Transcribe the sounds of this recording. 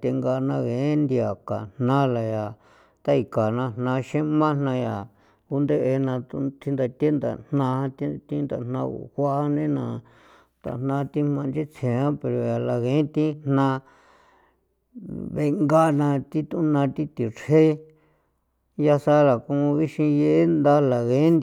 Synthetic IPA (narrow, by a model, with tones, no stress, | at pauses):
t̪e˧ŋɡa˧nã˧ɣẽ˨˦nd̪i˧a˨ka̰˨n̥nã˦la˨ja˨ | t̪a˦i˧˨ka˨nã˧n̥nã˧ʃẽ˦mã˦n̥nã˧ja˨ | u˦nd̪e˦ʔe˧nã˧t̪ṵ˧t̪ʰi˧nd̪a˧t̪e˦nd̪a̰˨nnã˧ã˧t̪i˦t̪ĩ˦nd̪a̰˨n̥nã˧ṵ˨hʷa˦ʔnẽ˦nã˧ | t̪a̰˨n̥nã˧˦t̪i˦mã˧nd͡ʒi˦t͡sʰẽ˨ã˦pe˨ɾo˨ja˨la˨ɣẽ˨˦t̪ĩ˦n̥nã˧ | βe˧ŋɡa˦˧nã˧t̪i˦t̪ũ˦nã˧t̪i˦t̪i˨ɾhe˦ | ja˧sa˦la˨kũ˧βi˦ʃĩ˧je˦ʔe˦nd̪a˦la˨ɣẽ˨˦nd̪